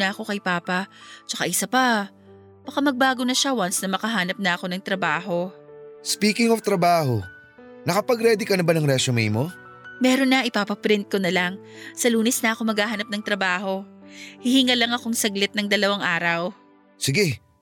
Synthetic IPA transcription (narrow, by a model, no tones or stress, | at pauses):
nɐʔɐko̞kɐjpaːpɐt͡ʃɐka̰ʔɪsɐpa | b̥ɐkamɐɡ̚baːɡo̞nɐʃawansnɐmɐkɐɦaːnɐp̚nɐʔɐko̞nɐŋt̪ɾɐbaːɦo̞spiːkɪŋoft̪ɾɐbaːɦo | nɐkɐpɐɡɾɛd̪ɪkɐnɐbanɐŋɾɛt͡ʃomḭːmo̞ | mɛːɾo̞nːɐʔɪpaːpɐpɾɪnt̪̚ko̞nɐlaŋ | sɐluːnɛsnɐʔɐko̞mɐɡhaːɦanɐp̚nɐŋt̪ɾɐbaːho̞hɪhɪŋɐlɐŋɐko̞ŋsɐɡlɪt̪̚nɐŋd̪ɐlɐwaŋʔaːɾɐw | sɪɡɛ